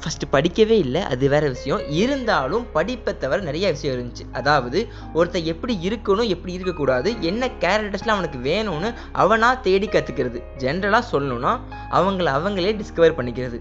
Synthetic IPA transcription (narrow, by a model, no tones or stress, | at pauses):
fɐsʈɯpɐɽɪkʲːɐʋeːɪlːɐʔɐ̰ðɯʋeːɾɐʋɪʂɐjɔ̃ɪɾɯnd̪aːlɯmpɐɽɪpːɐt̪ːɐʋɐɾnɪɾɐjaʋɪʂɐjɐ̃ɪɾɯnd̪ɯt͡ʃːɯʔɐðaːʋɐðɯ | ɔɾɯt̪ːɐɛpːɐɽiɪɾɯkːɐnʊ̃ɛpːɐɽiɪɾɯkːɐkːuːɽaːðɯʔɛnːɐkaːɾɐk̚ʈːɐɾsɪlɐ̃ɐʋɐnɯkːɯʋeːnʊ̃nːɯ | ʔɐ̰ʋɐnaːt̪eːɽikːɐt̪ːɯkːɪɾɐðɯ | d͡ʒɛnɐɾɐlaːsɔlːɐnʊ̃nːaː | ʔɐ̰ʋɐŋɡɐɭɐʋɐŋɡɐɭeːɖɪskɐʋɐɾpɐɳːɪkːɪɾɐðɯ